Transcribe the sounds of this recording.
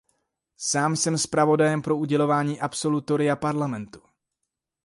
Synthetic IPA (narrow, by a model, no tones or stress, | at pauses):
saːmsɛmspɾavo̞dajɛmpɾo̞uɟɛlo̞vaːɲiːʔapso̞lut̪o̞ɾɪapaɾlamɛnt̪u̥